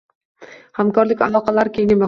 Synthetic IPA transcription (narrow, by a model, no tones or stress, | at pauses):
hamkʰɒɾlɪkʲa̰lˠɒqɑlaɾkʲʰeŋʲɪma